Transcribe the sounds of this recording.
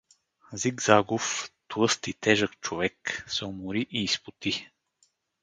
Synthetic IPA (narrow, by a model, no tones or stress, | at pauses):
ziɡzaɡoft̪wɤst̪it̪ɛʒəkt͡ʃovɛksɛomʊɾiʔiːspʊt̪i